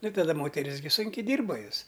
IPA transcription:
ˈnʊ tɐˈdɐ ˈmoːtʲɛrʲɪs ɡʲɪ ˈsʊŋʲkʲɛɪ ˈdʲiːrbɐ ˈjoːs

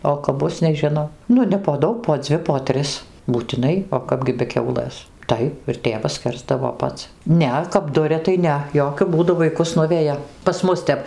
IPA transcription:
oː kɐp ˈbʊs nʲɛˈʒʲɪnɐʊ ˈnʊ nʲɛ poː ˈdɐʊk poː ˈd͡zʲʋʲɪ poː ˈtʲrʲɪs buːtʲɪˈnɐɪ oː ˈkɑːbʲɡʲɪ bʲɛ ˈkʲɛʊlˠɘs ˈtɐɪp ɪr ˈtʲeːʋɐs ˈsʲkʲɛrzdɐʋoː ˈpɐts ˈnʲɛ kɐp ˈdʊrʲɛ tɐɪ ˈnʲɛ ˈjoːkʲʊ ˈbuːdʊ ʋɐɪˈkʊs ˈnʊʋʲɛjɛ pɐs ˈmʊs tʲɛp

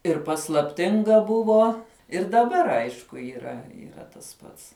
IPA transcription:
ɪr pɐslˠɐpʲˈtʲɪŋɡɐ ˈbʊʋoː ɪr dɐˈbɐr ˈɐɪʃkʊ iːˈrɐ iːˈrɐ tɐs ˈpɐts

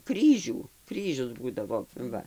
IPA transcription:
ˈkrʲiːʒʲuː ˈkrʲiːʒʲʊs ˈbuːdɐʋoː ˈʋɐ

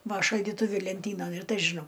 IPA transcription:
ˈʋɐ ʃɐlʲdʲiːˈtʊʋʲɪ lʲɛnʲˈtʲiːnɐn ɪr ˈtɐɪ ʒʲɪˈnɐʊ

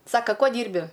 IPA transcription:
ˈsɑːkɐ ˈkuɔ ˈdʲiːrʲbʲɪ

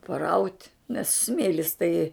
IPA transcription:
pɐˈrɐʊtʲ nʲɛs ˈsʲmʲeːlʲɪs tɐɪ

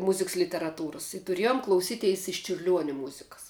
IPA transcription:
ˈmʊzʲɪks lʲɪtʲɛrɐˈtuːrɐs ɪ tʊˈrʲiɛjʊm klˠɐʊˈsʲiːtʲɛɪs ɪʃ t͡ʃʲʊrʲˈlʲuɔnʲɛ ˈmʊzʲɪkɐs

